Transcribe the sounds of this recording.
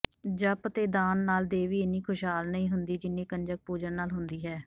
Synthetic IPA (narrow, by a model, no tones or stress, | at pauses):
d͡ʒəpt̪eːd̪aːnːaːld̪eːʋiːeniːkʰʊʃɦaːlnəĩːɦʊnd̪iːd͡ʒɪnːẽːkənd͡ʒək̚puːd͡ʒənnaːlɦʊnd̪iːɦɛː